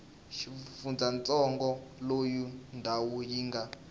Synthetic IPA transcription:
ʃifund͡zant͡sʼɔŋɡɔlojundʱawujiŋɡa

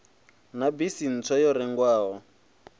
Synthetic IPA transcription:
nabisin̩t͡sʰɔjɔɾɛŋɡwaːɦɔ

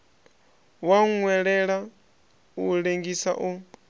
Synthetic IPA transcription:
waŋwɛɺɛɺa | uɺeŋɡisa̰ʔu

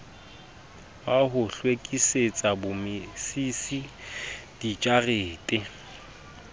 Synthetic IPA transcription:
waɦʊɬwekʼiset͡sʼabʊmɪsisi | d̥it͡ʃʼareːtʼɪ

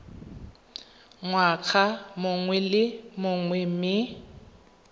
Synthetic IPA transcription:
ŋwak͡xʰamʊŋwɛlɪmʊŋwɛmɪ

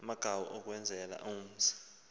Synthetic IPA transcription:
amaɡ̥ʱawɔʔɔk̬wɛnd͡zʱɛla̰ʔum̩zḁ

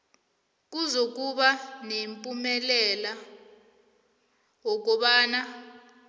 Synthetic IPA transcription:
k̬ʼuzok̬ʼuɓanempʼumɛlɛla | wok̬ɔɓaːna

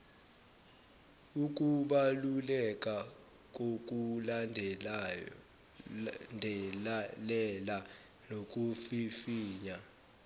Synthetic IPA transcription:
uk̬ʼuɓalulɛkʼa | k̬ʼok̬ʼul | ndʱɛlɛla | nok̬ʼufifiːɲa

